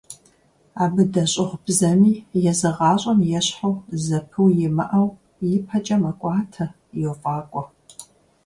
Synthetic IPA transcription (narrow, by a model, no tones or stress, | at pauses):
aːbɨdɐɕʼɪʁbzɐmiːjɛzɨʁɑːɕʼɐmjɛɕħawzɐpʰɨwjɪmɐʔɐw | jɪpʰɐt͡ʃʼɐmɐkʷʼɑːtʰɐ | jɛwfʼɑːkʷʼɔ